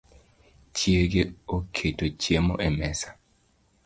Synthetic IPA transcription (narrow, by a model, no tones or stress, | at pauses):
t͡ʃjeɡeokʰetot͡ʃjemoʔemɛsḁ